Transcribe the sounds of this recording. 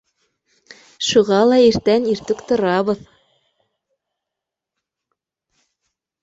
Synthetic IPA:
ʃuʁɑlˠɑiɾt̪æniɾt̪ɘkt̪ŏɾɑβɤð

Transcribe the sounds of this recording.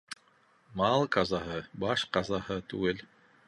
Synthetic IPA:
mɑlˠqɑzɑɦɤbɑʃqɑzɑhɤt̪ʉ̰ɡɘl

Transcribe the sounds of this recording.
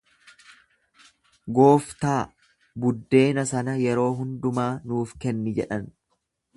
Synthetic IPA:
ɡo̞ːft̪aː | bʊd̪ːe̞ːnɐsɐnɐjɛɾo̞ːɦʊnd̪ʊmaːnuːfkɛnːɪd͡ʒɛ̰ᶑɐn

